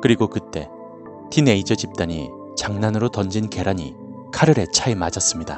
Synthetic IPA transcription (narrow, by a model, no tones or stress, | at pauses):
kɯɾiɡokɯt͈e̞̰ | tine̞id͡ʑʌd͡ʑip̚t͈aɲḭ | t͡ɕaŋnanɯɾotʌnd͡ʑinke̞ɾaɲḭ | kʰaɾɯɾe̞t͡ɕʰaemad͡ʑas͈ɯmɲida